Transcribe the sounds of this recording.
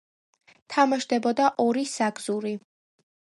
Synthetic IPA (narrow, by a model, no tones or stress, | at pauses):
t̪ʰamaʃd̪ɛbɔd̪aʔɔɾisaɡz̥uɾi